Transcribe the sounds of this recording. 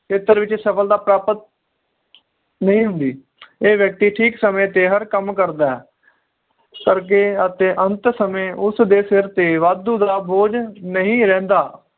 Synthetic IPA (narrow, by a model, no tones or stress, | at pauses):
kʰeːt̪əɾʋɪt͡ʃsəfəld̪aːpɾaːpət̪̚ | nəɦĩːɦʊnd̪iː | eːʋjək̚t̪iːʈʰiːksəmẽːt̪eːɦəɾkəmkəɾd̪aːɛː | kəɾk̬eːət̪eːʔə̃nt̪səmẽːʊsd̪eːsɪɾt̪eːʋaːd̪uːd̪aːboːd͡ʒnəɦĩːɾɛ̃ːnd̪aː